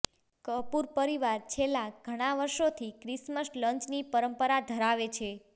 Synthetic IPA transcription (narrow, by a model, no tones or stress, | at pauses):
kəpuɾpəɾiʋaɾt͡ʃʰelːaɡʱəɽ̃aʋəɾʃot̪ʰikɾisməsləɲt͡ʃnipəɾəmpəɾad̪ʱəɾaʋet͡ʃʰe